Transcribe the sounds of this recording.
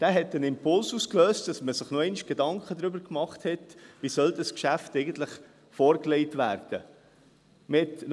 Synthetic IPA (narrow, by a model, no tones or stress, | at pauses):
d̥æːɦɛtənɪmpʰʊlsuːskløːstd̥ɑsməsɪχnoɛɪniʃɡ̥edɑŋkχədɾʏbəɾkmɑχthɛtʋisœldɑskʃæftɛɪɡən̩tləχ | fɔːɾklɛɪtʋæːɾd̥ə | mɪtn